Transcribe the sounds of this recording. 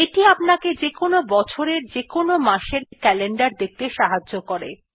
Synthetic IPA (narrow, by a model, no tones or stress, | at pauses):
eʈiapnaked͡ʑekonobɔt͡ɕʰoɾeɾd͡ʑekonomaʃeɾkɛleɳɖaɾd̪ek̚t̪eʃaɦad͡ʑːokoɾḛ